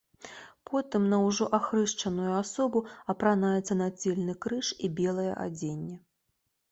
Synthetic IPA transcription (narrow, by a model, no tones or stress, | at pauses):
pʰɔt̪ɨmnɐwʐɔʔaxɾɨʂt͡ʂɐnujuasɔbuɐpɾanajɛt̪sːɐnad͡zʲelʲnɨkɾɨʂibʲɛlˠɐjɛ̰ʔa̰d͡zʲenʲːɛ